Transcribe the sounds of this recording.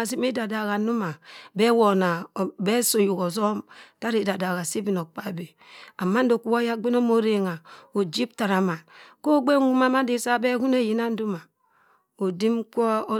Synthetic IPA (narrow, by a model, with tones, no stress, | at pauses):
si˦m˦e˦da˨da˨ɣa˨nu˦ma˨be˦wo˨na˨be˦so˨ju˨ko˨zo˦mta˦ɾe˦˨da˨da˨ɣa˨si˦bi˨n˨o˨k͡pa˦˨be˨ | a˨mːa˦n̩˦do˨ku˦wo˦ja˦ɡ͡be˦no˦mo˦ɾe˨ŋa˨o˨d͡ʒi˦p̚ta˨ɾa˨ma˨ko˦ɡ͡be˦ŋu˦ma˦ma˦de˨sa˦be˦hu˦ne˦˨ji˨na˦n̩˦du˦ma˨ | o˨di˦mkʷo˦